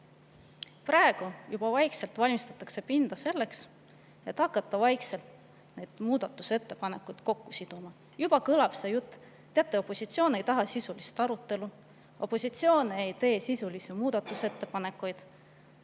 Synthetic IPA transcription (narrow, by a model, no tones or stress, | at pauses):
prɑe̞ɡ̥ujub̥ɑvɑjkse̞lt̪vɑlʲmist̪ɑ̥t̪ːˑɑkse̞pind̪̥ɑse̞lːe̞ks | e̞t̪ːhɑkːˑɑt̪ːˑɑvɑjkse̞lt̪ | ne̞jd̪̥muːd̪̥ɑt̪ːˑuse̞t̪ːe̞pɑne̞kːujd̪̥ko̞kːusid̪̥umɑ | jub̥ɑkɤlɑb̥sejut̪ːˑ | t̪ːeɑt̪ːˑeo̞pːˑo̞sit̪sio̞ːne̞jt̪ɑɦɑsisulist̪ɑɾut̪ːˑe̞lu | o̞pːˑo̞sit̪sio̞ːne̞jt̪e̞ːsisulisimuːd̪̥ɑt̪ːˑuse̞t̪ːe̞pɑne̞kːujd̪̥